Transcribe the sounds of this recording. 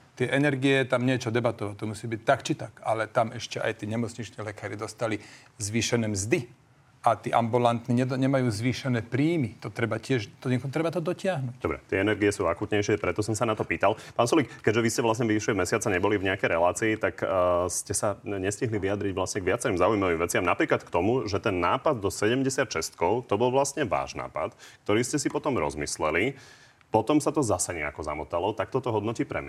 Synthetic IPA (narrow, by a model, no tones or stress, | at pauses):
t̪ɪɛʔɛnɛɾɡiɛt̪amɲɪɛt͡ʃɔd̪ɛbat̪ɔʋat̪ɔmusiːbic̚t̪akt͡ʃit̪akalɛt̪amɛʃcɛʔa̰jt̪iːɲɛmɔt͡sɲit͡ʃnilɛkaːɾid̪ɔst̪ali | zʋiːʃɛnɛːmzd̪i | ʔat̪iːʔambulant̪niɲɛɲɛmajuːzʋiːʃɛnɛːpɾiːmit̪ɔt̪ɾɛbacɪɛʒt̪ɔɛkt̪ɾɛbat̪ɔd̪ɔcɪaɦnucd̪ɔ̰bɾɛ̰t̪ɪɛɛnɛɾɡiɛsuːakut̪ɲɛjʃɪɛpɾɛt̪ɔsɔmsanat̪ɔpiːt̪alpaːnsulikkːɛɟʒɛʋiscɛʋlasɲɛʋiiʃlimɛsɪat͡saɲɛbɔlivɲɛakɛjɾɛlaːt͡siːt̪akscɛsaɲɛsciɦliʋijad̪ɾiɟʋlasɲɛɡʋɪat͡sɛɾimzaːujmaʋimʋɛt͡sɪamnapɾiːklat̪kt̪ɔmuʒɛt̪ɛnːaːpad̪̚d̪ɔsɛɟɛmɟɛsɪat̪ʃɛst̪kɔʊt̪ɔbɔlʋlasɲɛʋa̰ːʒna̰ːpa̰t̪k̚t̪ɔɾiːscɛsipɔt̪ɔmɾɔ̰zmislɛli | pɔt̪ɔmsat̪ɔzasɛɲɛ̰a̰kɔza̰mɔt̪alɔt̪ak̚t̪ɔt̪ɔɦɔd̪nɔciːpɾɛ̰m